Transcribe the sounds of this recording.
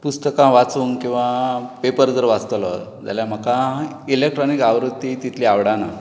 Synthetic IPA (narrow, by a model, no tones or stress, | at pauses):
pust̪əkãʋat͡sʋuŋkĩw̃ʋapepəɾd͡zəɾʋat͡st̪əlɔd͡za̰ljam̤əkã | ilek̚ʈɾɔnikaʋɾud̪ːit̪it̪ʰliaʋɽana